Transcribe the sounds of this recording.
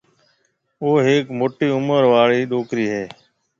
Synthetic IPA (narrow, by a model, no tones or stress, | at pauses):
oːɦeːkmoːʈiːʊməɾʋaːɭiːɗoːkɾiːɦeː